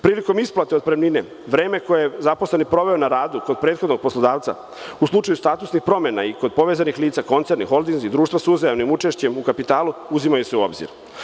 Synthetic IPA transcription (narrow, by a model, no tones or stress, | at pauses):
pɾiːliko̞misplˠat̪e̞od̪̚pɾemnine | ʋɾeːme̞ko̞jejezaposle̞nipɾo̞ʋe̞onaɾaːd̪ukod̪̚pɾeːt̪xo̞d̪no̞ɡ̚poslˠod̪aːʋt̪sa̰ | uslˠut͡ʂajust̪aːt̪usnixpɾo̞mena̰iko̞d̪̚po̞ʋezanixliːt̪sako̞nt̪se̞ɾnixo̞ld̪inzid̪ɾuːʃt̪ʋasuzajaʋnimut͡ʃe̞ʃt͡ɕe̞mukapit̪aːluuzimajuseuo̞̰bzḭɾ